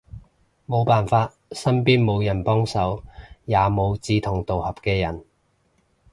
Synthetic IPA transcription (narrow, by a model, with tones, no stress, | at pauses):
mo˨˧wpaː˨nfaː˧t̚sɐ˥npiː˥nmo˨˧wjɐ˨˩npɔː˥ŋsɐ˨˥wjaː˨˧mo˨˧wt͡siː˧t̪ʰʊ˨˩ŋt̪o˨whɐ˨p̚kɛː˧jɐ˨˩n